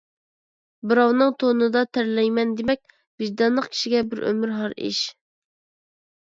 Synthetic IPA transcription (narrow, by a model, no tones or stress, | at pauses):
bɨɾɑwnɨŋt̪ʰonɨd̪ɑt̪ʰæɾlɛjmɛnd̪emɛk̚ʲ | b̥ɪʒd̪ɑnlˠəqkʲʰi̥ʃiɡʲɛbɪɾʔø̰myɾɦɑɾḭʃ